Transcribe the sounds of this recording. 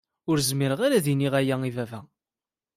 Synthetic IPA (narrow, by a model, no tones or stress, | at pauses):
ʊɾzmiɾəʁaɾæðiniʁæjæivævæ